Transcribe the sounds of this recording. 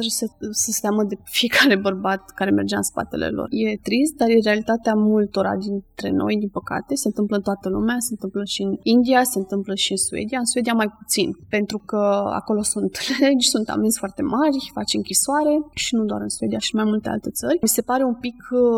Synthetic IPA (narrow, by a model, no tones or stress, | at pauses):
aʒesesəst̪aməd̪e̞fie̞kʰaɾe̞bərbat̪kaɾe̞me̞rd͡ʒeaɨ̰nspa̰t̪e̞̰lḛlo̰rje̞t̪ɾist̪̚d̪arje̞ɾe̞alit̪at̪eamult̪o̞ɾa̰d̪int̪ɾe̞̰no̰jd̪inpəka̰t̪e̞se̞nt̪ɨmpləɨnt̪oat̪əlumease̞ɨnt̪ɨmpləʃiɨnind̪iase̞ɨnt̪ɨmpləʃiɨnsuḛd̪iaɨnsue̞d̪iamajput̪sinpe̞nt̪ɾukəa̰ko̞lo̞sunt̪leed͡ʒʲsunt̪a̰minsʲfoart̪e̞marʲfat͡ʃɨŋkʲisoaɾe̞ʃinud̪oa̰ɾɨnsue̞d̪iaʃiɨnmajmult̪e̞a̰lt̪e̞t̪sərʲmise̞paɾe̞umpik